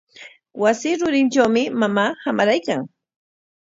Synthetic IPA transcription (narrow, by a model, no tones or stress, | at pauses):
wasɪːɾʊɾɪnʈ͡ʂawmɪmamaːhamaɾajkaŋ